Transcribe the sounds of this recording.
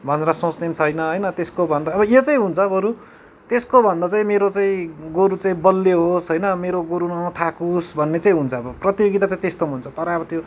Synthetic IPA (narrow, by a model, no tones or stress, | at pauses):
bʱʌneɾʌsõt͡snemt͡sʰʌjnʌɦʌjnʌt̪eskobʱʌnd̪ʌːbʌjot͡saĩɦunt͡sʰʌbʌɾu | t̪eskobʱʌnd̪ʌt͡saĩmeɾot͡saĩɡoɾut͡saĩbʌlːeɦosɦʌjnʌmeɾoɡoɾunʌt̪ʰakusbʱʌnːet͡saĩɦunt͡sʰʌːbʌprʌt̪joɡit̪at͡sãĩt̪est̪omunt͡sʰʌt̪ʌɾʌːbʌt̪jo